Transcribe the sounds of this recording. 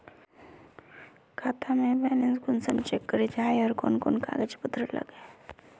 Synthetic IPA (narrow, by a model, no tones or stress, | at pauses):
kʰaːt̪ʰamẽbɛːnenskʊnsəmt͡ʃekːəɾed͡ʒaːeəɾko̰ːnko̰ːnka̰ːɡəd͡ʒpət̪ʰɾələ̰ɡe